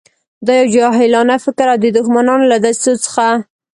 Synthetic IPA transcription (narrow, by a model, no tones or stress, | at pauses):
d̪ɑjawd͡ʒɑɦɪlɑnafɪkɾawd̪əd̪ʊxmanɑnolad̪ast̪ut͡sə̥xa